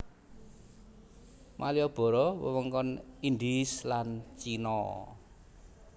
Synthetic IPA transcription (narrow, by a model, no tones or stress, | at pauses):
mʔalijɔb̥ɔ̤ɾɔwə̰wəŋkɔnind̪islant͡ʃinɔ